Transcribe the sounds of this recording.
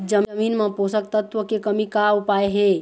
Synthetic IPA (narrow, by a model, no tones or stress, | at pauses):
d͡ʒəmminmeposəkt̪ət̪ʋəkekəmikaupaeɦe